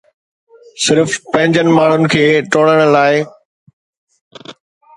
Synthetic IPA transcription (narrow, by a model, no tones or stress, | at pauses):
sɪɾfpɐ̃ɦɪ̃ɲd͡ʑənɪ̆maːɳ̤ʊnɪ̆kʰeːʈoːɽəɽ̃̆laːɪ